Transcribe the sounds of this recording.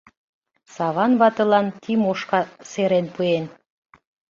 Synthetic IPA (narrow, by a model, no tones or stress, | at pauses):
sɑβɑnβɑt̪ɤ̆lɑnt̪ʰimoʃkɑseɾenpuen